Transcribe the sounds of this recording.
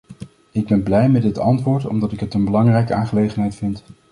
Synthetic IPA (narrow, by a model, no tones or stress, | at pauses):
ɪɡ̚bɛnblɛjmɛdɪtɑ̰ntʋʊːɹtɔ̰mdɑtɪkɦətənbəlɑŋrɛjkəaːnχəlejχənɦɛjtfɪnt